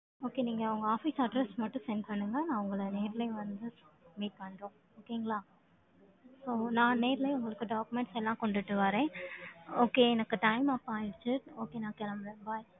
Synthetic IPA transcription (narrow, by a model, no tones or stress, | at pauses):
oːkeːniːŋɡɐʋɐŋɡɐaːfisɐɖɾɛsmɐʈːʊ̃sɛnpɐɳːɯŋɡɐnãːʊŋɡɐɭɐneːɾlɐɪʋɐnd̪ɯmiːʈ̚pɐɳɖɾõː | oːkeːŋɡɐɭaː | soːnãːneːɾlɐʊŋɡɐɭɯkːɯɖaːkɯmɛɳʈsɛlːãːkɔɳɖɯʈːɯʋaːɾẽː | oːkeːɛnɐkːɯʈɐɪmɐpːãːɪɾɯt͡ʃːɯoːkeːnãːkɛlɐmbaːj